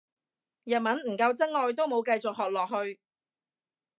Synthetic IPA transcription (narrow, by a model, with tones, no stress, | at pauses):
jɐ˨t̚mɐ˨˥nm̩˨˩kɐ˧wt͡sɐ˥ŋ̚ŋɔː˧jt̪o˥wmo˨˧wkɐ˧jt͡sʊ˨k̚ɦɔː˨k̚lɔː˨k̚ɦɵ˧ɥ